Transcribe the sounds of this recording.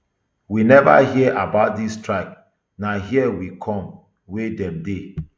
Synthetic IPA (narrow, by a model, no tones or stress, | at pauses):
winɛva̰ɦiɛʔabaʊt̚distɹaɪk̚ | naɦiɛwikʰɔ̃m | wedɛ̃mde